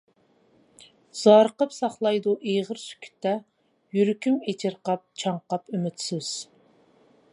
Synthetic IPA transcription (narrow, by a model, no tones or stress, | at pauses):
z̥ɑɾqəpsɑχlˠɑjd̪uʔeʁəɾsy̥kʲʰy̥t̪ʰːɛ | jyɾykʲʰymet͡ʃʰɪɾqɑp̚t͡ʃʰɑɴqɑpymyt̪sɪz̥